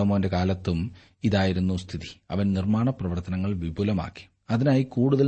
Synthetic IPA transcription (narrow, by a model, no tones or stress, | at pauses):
umːʋɐnde̞kaːlɐt̪ːum | iðaːjiɾunːust̪ʰiði̥ɐ̰ʋɐnnirmaːɳɐprɐʋɐrt̪ɐnɐŋːɐɭʋibʱulɐma̰ːkːi̥ | ɐðinaːjikuːɽuðɐl